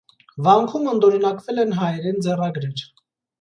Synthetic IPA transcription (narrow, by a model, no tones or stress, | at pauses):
vɑŋkʰumənd̪ɔɾɛnɑkvɛlɛnɦɑjɛɾɛnd͡zɛrɑɡɾɛɾ